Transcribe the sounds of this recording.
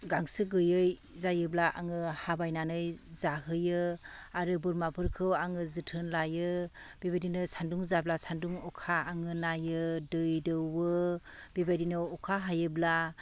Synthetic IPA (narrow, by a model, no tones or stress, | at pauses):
ɡaŋsɯɡɯjɯj | zajɯblaʔaŋɯhabajnanɯjzaɦɯjɯaɾɯbɯɾmapʰɯɾkʰɯwaŋɯzɯtʰɯnlajɯ | b̥ibajdinɯsanduŋzablasanduŋɔkʰaːŋɯnajɯdɯjdɯwɯ | bibajdinɯɔkʰaɦajɯbla